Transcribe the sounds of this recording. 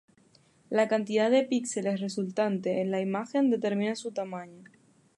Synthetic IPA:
lakant̪ið̞aðe̞piksele̞sre̞sult̪ant̪e̞ːnlaimaxe̞nd̪e̞t̪e̞ɾmĩnasut̪amãɲo

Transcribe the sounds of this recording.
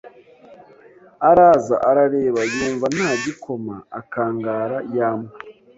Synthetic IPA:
aɾaːzaʔaɾaɾeːβajuːɱvanhaːɟikʰo̞maakaːŋɡaːɾajaːme

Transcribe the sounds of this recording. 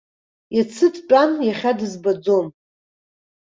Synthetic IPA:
jat͡sʰɨtʰpʼanjaχʲadɨzbad͡zo̞m

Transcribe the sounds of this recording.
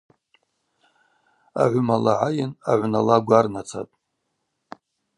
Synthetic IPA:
a̰ʕʷʊmalaʕajɪnaʕʷnalaɡʷarnat͡sʰa̰tʼ

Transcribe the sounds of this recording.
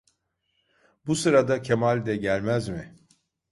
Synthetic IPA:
busɯɾad̪acʰemalʲd̪ɛɟælʲmæzmɪ

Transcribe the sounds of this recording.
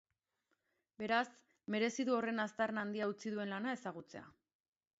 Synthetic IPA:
be̞ɾas | me̞ɾe̞siðuo̞re̞nast̪arnand̪iaut͡siðue̞nlanae̞saɣ̞ut͡se̞a̰

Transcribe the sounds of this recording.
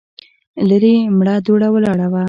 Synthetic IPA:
laɾimɽad̪oɽawəlaɽawa

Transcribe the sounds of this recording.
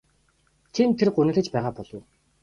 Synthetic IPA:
t̪ʰimt̪ʰerɢɵnɘ̆ɮɘ̆t͡ɕpæːʁaːpɔɮɞ̆w

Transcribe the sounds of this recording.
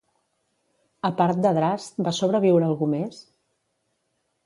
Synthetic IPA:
əpaɾt̪̚d̪əðɾast̪̚basoβɾəβ̞iwɾəːlˠɣumes

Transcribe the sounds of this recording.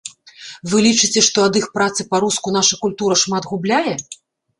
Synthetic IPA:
vɨlʲit͡ʂɨt͡sʲɛʂt̪ɔɐd̪ɨxpɾat̪sɨpaɾuskunaʂɐkulʲt̪uɾɐʂmad̪ɣublʲajɛ

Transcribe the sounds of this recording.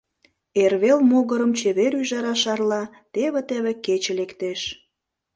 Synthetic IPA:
erβelmoɣəɾəmt͡ɕeβeɾyʒɑɾɑʃɑrlɑ | t̪eβet̪eβeket͡ɕelekt̪eʃ

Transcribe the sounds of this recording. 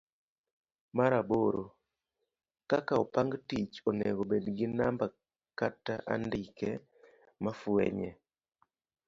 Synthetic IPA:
maɾaboɾo | kakaopaŋɡtit͡ʃonɛ̰ɡobedɡɪnamba | kataʔa̰ndikɛ | mafwɛ̰ɲɛ

